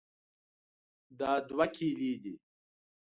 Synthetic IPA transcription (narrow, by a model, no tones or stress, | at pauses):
d̪aːd̪wɐkʰiːliːd͡ʑi